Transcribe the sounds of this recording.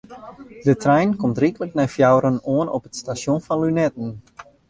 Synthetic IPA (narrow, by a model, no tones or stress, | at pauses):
dətrɛjnkɔmtrikələknɛjfjawɾənoənɔpətstasjonfɑnlynɛtən̩